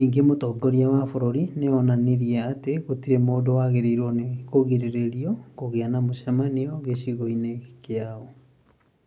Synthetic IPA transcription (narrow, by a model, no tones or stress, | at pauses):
niːŋɡemotɔɡɔɾiawafoɾoɾineɔnaneɾiɛateɣotiɾemoːdowaɣeɾeiɾwɔnekoɣiɾeɾeɾiɔkoɣeanamoɕɛmaniɔɣeɕiɣoinekeaɔ